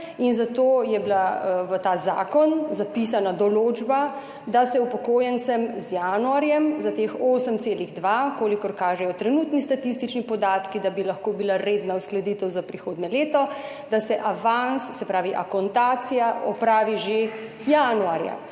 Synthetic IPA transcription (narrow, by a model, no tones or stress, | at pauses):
inzat̪oːjɛbilaʋət̪aːza̰ːkɔnzapis̬anad̪ɔloːd͡ʒba | d̪asɛupɔkoːjɛnt̪sɛmzjaːnuaɾjɛmzat̪eːxoːsəmseːliɣd̪ʋakoːlikɔɾkaːʒɛjɔt̪ɾɛnuːt̪nist̪at̪ist̪it͡ʃnipɔd̪aːt̪kid̪abilaxkoːbilaɾeːd̪nausklad̪iːt̪ɛwzapɾixoːd̪nɛleːt̪ɔ | d̪asɛʔaʋanssɛpɾaːʋiʔa̰kɔnt̪aːt̪sijaʔɔpɾaːʋiʒe | januaːɾja̰